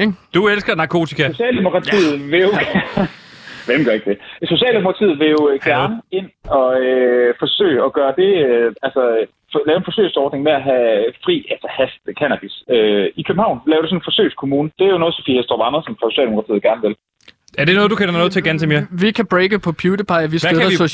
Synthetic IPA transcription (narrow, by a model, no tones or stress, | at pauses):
d̥uelsɡ̥ɐnɑ̈kʰo̝ːt͡sʰikʰæsoɕɛ̰ːld̥e̝mokʰʁɑ̈t͡sʰḭð̩ˠʋe̝jo̥ | ʋemɡ̥ɶɐe̝ɡ̥̚d̥eso̝ɕɛ̰ːld̥emo̝kʰɑt͡sʰið̩ˠʋe̝jo̝ɡ̥æɐɐnəe̝n̰ɒ̽øfɒ̽sø̰ːɪɒ̽ɡ̥ɶːɐd̥e̝øælsɒ̽ | lɛːʊenfɒ̽sø̰ːsɒːd̥neŋmeæɦæfʁḭːælsɐhæsd̥kʰænæb̥isøikʰøbm̩hɑ̈ʊ̰nlɛːʊd̥ɾes̬ɔ̽nenfɒ̽sø̰ːskʰo̝muːnəd̥e̝æɐjo̝nɔð̩ˠsɒfḭːhesd̥ɒʋɑnɐsɒ̽mfʁɑ̈so̝ɕɛ̰ːld̥eokʰɑt͡sʰḭðˠɡ̥æɐnəʋe̝l | æɐɾ̥e̝nɔːð̞̩ˠdukʰenɐnɔːðˠt͡sʰe̝ɐɡ̥ænt͡s̬eme̝ːɐʋikʰæb̥ʁeːɡ̥əpʰɒ̽pʰjuːd̥əpʰɑ̈ɪʋisæeðˠɐs